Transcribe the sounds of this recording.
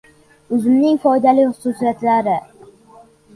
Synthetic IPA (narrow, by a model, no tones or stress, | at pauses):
ʊzɪmnɪŋfɒjd̪alɪjχʊ̥susijat̪laɾɪ